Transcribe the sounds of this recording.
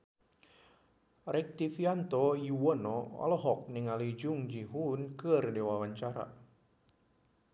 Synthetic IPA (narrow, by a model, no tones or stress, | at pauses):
rɛk̚t̪ifiant̪ɔjuwɔnɔɔ̰lɔɦɔk̚nɪŋalid͡ʒʊŋd͡ʒiɦunkərdewawaɲt͡ʃaɾa̰